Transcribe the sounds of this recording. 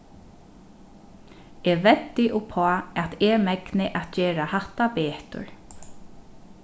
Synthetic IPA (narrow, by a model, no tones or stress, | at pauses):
ɛːʋɛt̪ːɪʔʊpʰɔaɛt̪ɛɹmɛknɪʔat̪t͡ʃeːɾahaht̪apeːht̪ʊ̰ɹ